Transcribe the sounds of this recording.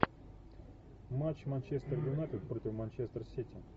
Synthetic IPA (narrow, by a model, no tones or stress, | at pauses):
mat͡ɕmanʲt͡ɕest̪ərvʲɪnat̪ʲɪt̪pɾotʲɪfmanʲt͡ɕest̪rsʲitʲɪ